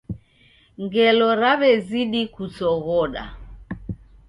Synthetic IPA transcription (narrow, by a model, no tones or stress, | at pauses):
ŋɡɛlɔɾaβɛziɗikut͡sɔɣɔɗa̰